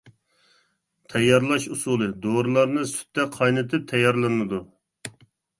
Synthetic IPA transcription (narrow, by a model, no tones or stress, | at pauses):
t̪ʰɛjːɑɾlˠɑʃusulˠɨd̪oɾɨlˠɑɾnɨsy̥t̪ːɛqʰɑjnɨt̪ʰɨp̚t̪ʰɛjːɑɾlˠɨnɨd̪u